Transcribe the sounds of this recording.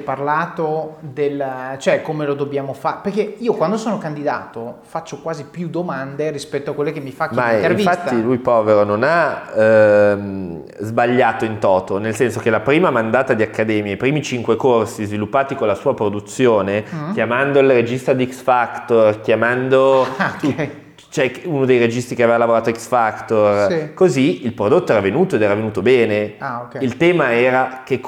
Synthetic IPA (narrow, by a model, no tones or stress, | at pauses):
parlaːt̪od̪elt͡ʃoɛkːomelod̪objaːmofaperkeiːokwand̪osoːnokand̪id̪aːt̪ofat͡ʃːokwaːzipjud̪omand̪eɾispɛt̪ːoakːwelːekemːifakmaeĩvifat̪ːilujpɔːveɾonona | m | zbaʎːaːt̪oint̪ɔːt̪onelsɛnsok̟elapɾiːmamand̪aːt̪ad̪iakːad̪ɛːmjapɾiːmit͡ʃiŋkwekorsizvilupːaːt̪ikonlasuːapɾod̪ut̪sːjoːnekjamand̪oilred͡ʒist̪ad̪ɛksfakt̪orkjamand̪o | t͡ʃoɛkunod̪ejred͡ʒist̪ikeavevalavoɾaːt̪oɛksfakt̪orkoziilpɾod̪ot̪ːoɛɾavenuːt̪oed̪ɛːɾavenuːt̪obɛːneakilt̪ɛːmaɛːɾak̟ek